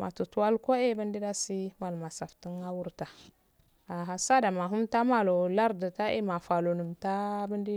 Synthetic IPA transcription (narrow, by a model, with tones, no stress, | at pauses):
mʔa̰˨tu˨tu˦wa˦lko˦e˦bə˦ndi˦da˦si˦ma˨lma˨sa˨fti˦na˦wu˦ɾta˨ | a˨ɦa˦sa˦da˨ma˨ɦu˦mta˦ma˦lo˨la˦ɾda˨ta˦ḛ˦ma˨fa˨lo˨nu˨mta˦bə˦ndi˦